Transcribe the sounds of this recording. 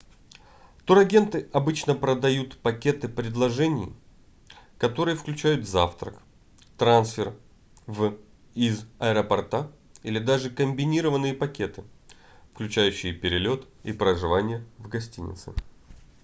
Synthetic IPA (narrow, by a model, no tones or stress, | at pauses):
t̪uɾɐɡʲe̞nt̪ɨɐbɨt͡ɕnəpɾəd̪ɐjut̪pɐkʲe̞t̪ɨpɾʲɪd̪lˠɐʐɛnʲɪ̰j | kɐt̪o̞ɾɨjəfklʲʉt͡ɕæjʊt̪zaft̪ɾə̰k | t̪ɾansfʲɪr | v | izɐɛɾəpɐrt̪a | ilʲɪd̪aʐɨkəmʲbʲɪnʲiɾəvənːɨjəpɐkʲe̞t̪ɨ | fklʲʉt͡ɕæjʉɕːɪjɪpʲɪɾʲɪlʲo̞t̪ | ipɾəʐɨvanʲɪjəvɡɐsʲtʲḭnʲɪ̰t̪sɨ̰